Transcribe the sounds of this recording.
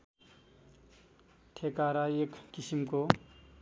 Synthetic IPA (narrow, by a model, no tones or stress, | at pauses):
ʈʰekaɾaeːkːisimko